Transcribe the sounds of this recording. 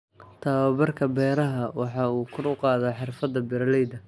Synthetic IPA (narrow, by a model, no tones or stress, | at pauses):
t̪ʰɐwɐβɐrkʰɐbɛːɾɐɦɐwɑħɑːuːkʰʊrʊqɑːðaħɪrfɐd̪ɐbɪɾɐlɛjd̪ɐ